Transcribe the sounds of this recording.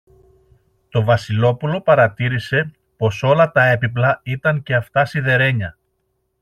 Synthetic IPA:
t̪o̞vɐsilo̞pulo̞pɐɾɐt̪iɾise̞ | po̞so̞lɐt̪ɐe̞piplɐit̪ɐɲce̞ɐft̪ɐsiðe̞ɾe̞ɲɐ

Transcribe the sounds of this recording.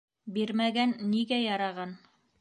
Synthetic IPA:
biɾmæɡænːiɡæjɑɾɑʁɑn

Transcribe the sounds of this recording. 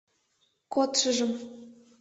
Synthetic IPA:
kot̪ʃə̆ʒə̆m

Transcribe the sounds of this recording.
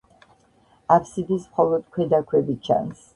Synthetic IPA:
apʰsid̪ismχɔlˠɔd̪̥kʰwɛd̪akʰwɛbit͡ʃʰa̰ns

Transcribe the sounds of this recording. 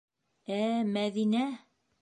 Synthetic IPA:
æmæðinæ

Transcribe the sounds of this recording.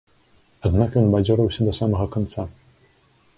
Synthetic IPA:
ad̪nakjɔnbad͡zʲɔɾɐwsʲɐd̪ɐsamɐɣɐkɔnt̪sa

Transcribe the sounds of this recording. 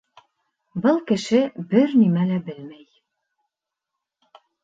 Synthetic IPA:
bɤlˠkɘ̆ʃɘbɘɾnimælæbɘlmæj

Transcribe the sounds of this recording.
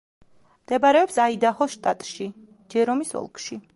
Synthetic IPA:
md̪̥ɛbaɾɛɔpsaid̪ahɔʃt̪ʼat̪ʼʃi | d͡ʒɛɾɔmisɔ̰lˠkʰʼʃi

